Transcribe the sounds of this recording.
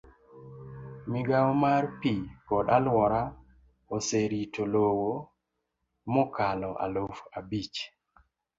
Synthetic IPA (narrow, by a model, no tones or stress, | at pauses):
mɪɡawmarpikɔɗalwɔɾa | oseɾitolowo | mɔkalɔʔa̰lofabit͡ʃ